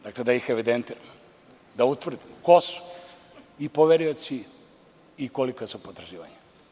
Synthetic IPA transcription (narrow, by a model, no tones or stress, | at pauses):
d̪akled̪ajixeʋid̪ent̪iɾa | d̪aut̪ʋr̩d̪imkosu̥ | ipoʋeɾiot̪siː | kolikasupot̪ɾaʒiːʋaɲa